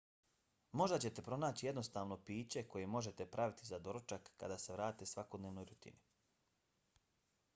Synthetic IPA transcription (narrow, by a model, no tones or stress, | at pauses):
mo̞ʒd̪at͡ɕe̞t̪e̞pɾo̞naːt͡ɕije̞d̪no̞st̪aːʋno̞piːt͡ɕe̞ko̞je̞mo̞ʒe̞t̪e̞pɾʔaʋit̪izad̪o̞ɾot͡ʃakːa̰d̪aːse̞ʋɾaːt̪esʋako̞d̪neʋno̞jɾut̪ḭni